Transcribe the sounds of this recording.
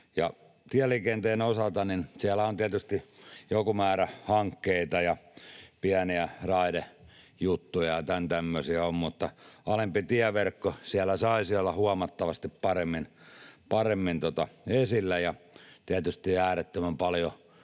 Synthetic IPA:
jɑ̰ | t̪iælikent̪eːnosɑlt̪ɑninsiælːˑæont̪iæt̪yst̪ijokumæːɾæhɑŋkːeit̪ɑjɑpiæniærɑide | jut̪ːujɑt̪ænt̪æmːøsiæommut̪ːɑɑlempit̪iæʋerkːosiælːˑæsɑisiolːɑhuɑmɑt̪ːɑʋɑst̪ippɑremːinpɑremːint̪ot̪ɑesilːæjɑt̪iæt̪yst̪iæːret̪ːømæmpɑljo

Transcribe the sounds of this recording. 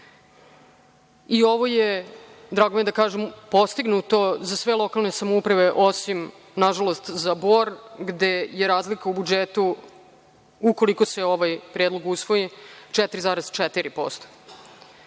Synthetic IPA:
io̞ʋo̞jed̪ɾaːɡomjed̪akaːʒempost̪iɡnut̪o̞zasʋe̞lˠo̞kalˠnesamoupɾaʋe̞ʔosim | naʒalo̞st̪zaboɾɡd̪e̞jeɾaːzlikaubud͡ʒet̪u | uko̞liko̞se̞o̞ʋajpɾijed̪lˠoɡusʋo̞jit͡ʃɛt̪ɾizaːɾez̥t͡ʃɛt̪iɾipo̰st̪o̥

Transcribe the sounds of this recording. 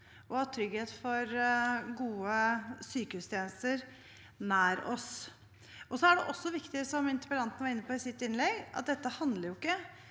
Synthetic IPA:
ʔɔhɑt̪ʰɾʏɡheːt̪fɔɾɡuːəsyːkəhʉːst̪ʰjeːnəst̪əɾ | næːɾɔ̰s | ɔsɔæɖɛʔɔsːɔʋɪkt̪ɪsɔmɪnt̪ə̥pəɾɑnt̪ənəʋɑɾɪnːəpʰɔɪsɪt̪ːɪnlɛɡʔɑ̰t̪̚d̪ɛt̪ːəhɑnd̪ləɾjʊɪkːə

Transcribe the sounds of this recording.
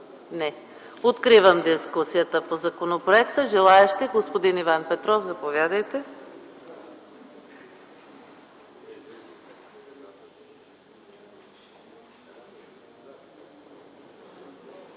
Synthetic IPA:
nɛ | ot̪kɾivəmd̪iskusijət̪əpozɐkonopɾoɛkt̪əʒɛlˠaɛʃt̪ɛɡospod̪inivanpɛt̪ɾɔfzɐpovjad̪əjt̪ɛ

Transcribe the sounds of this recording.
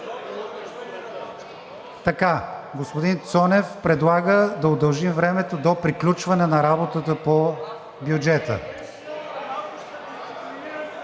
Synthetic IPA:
t̪ɐkaɡospʊd̪int̪sɔnɛfpɾɛd̪lˠaɡəd̪ɐod̪ɐlˠʒimvɾɛmɛt̪od̪opɾiklʲut͡ʃvɐnɛnɐɾabot̪ət̪əpo | bjʊd͡ʒɛt̪ə̰

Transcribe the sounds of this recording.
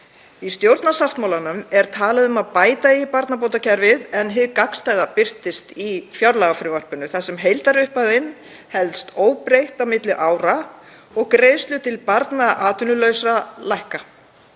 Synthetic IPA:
ist̪jowɾt̪nasaft̪mawlanʏmɛɾ̥t̪ʰaːlaðʏmaðpaːjt̪aipaɾt̪nap̬owt̪acʰɛɾvɪðɛnɦɪðkakst̪aːjðapɪr̥t̪ɪst̪ifjawɾlaːɣafɾɪvar̥pʏnʏθasɛmɦejlt̪aɾʏhpaðɪn | hɛlt̪st̪ʰoːwpɾejht̪awmɪt̪lɪʔaːwɾa | ɔɣkɾeːjðst̪lʏt̪ʰɪlpaɾt̪naʔaːt̪ʏnʏlœɥsɾalajhka

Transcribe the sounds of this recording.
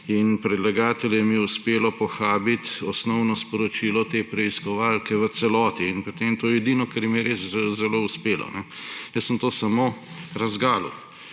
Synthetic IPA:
inpɾɛd̪laɡaːt̪ɛljɛmijɛuspeːlɔpɔxaːbit̪ɔsnɔʊnɔspɔɾɔt͡ʃiːlɔt̪epɾɛiskɔʋalkɛʋət̪sɛlɔːt̪iːnpot̪emt̪oːjɛɛd̪iːnɔkɛɾjɛmiɛɾeszɛlouspeːlɔ̰nɛjəssəmt̪oːsamoɾɐzɡaːlṵ

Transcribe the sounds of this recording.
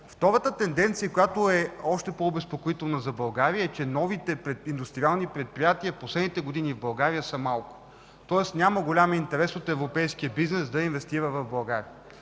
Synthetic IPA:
ft̪ɔɾət̪ət̪ɛnd̪ɛnt̪sijəkojat̪oɛɔʃt̪ɛpoːbɛspokoit̪ɛlˠnɐzɐbɐlˠɡaɾiəɛt͡ʃɛnɔvit̪ɛpɾɛind̪ust̪ɾialˠnipɾɛt̪̚pɾijat̪iəposlɛd̪nit̪ɛɡod̪inivbɐlˠɡaɾijəsəmalˠkʊ̥ | t̪ɔɛsnʲaməɡolʲamint̪ɛɾɛsot̪ɛvɾopɛjskiəbiznɛsd̪ɐinvɛst̪iɾəvɐvbɐlˠɡaɾiə

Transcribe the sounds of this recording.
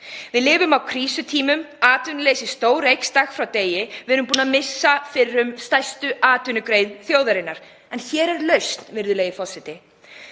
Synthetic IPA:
vɪðlɪːvʏmawkʰɾiːsʏt̪ʰiːmʏmaːt̪ʏnʏleːjsɪst̪oːwɾejkst̪axfɾawt̪eːjɪvɛːɾʏmpuːnamɪsːafɪɾʏmst̪ajst̪ʏʔaːt̪ʏnʏkɾejðθjoːwðaɾɪnːaɾ̥ | ɛnçɛːɾɛɾlœɥst̪nvɪɾðʏleːjɪfɔsɪt̪ɪ

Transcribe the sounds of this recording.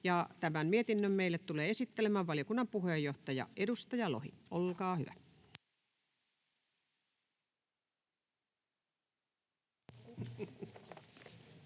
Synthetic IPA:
jɑt̪æmæmmiet̪inːømmeilːet̪t̪uleːesit̪ːelemæʋʋɑlĭokunːɑmpuhejːoht̪ɑjɑ̰edust̪ɑjɑlohḭʔolkɑːhy̰ʋæ̰

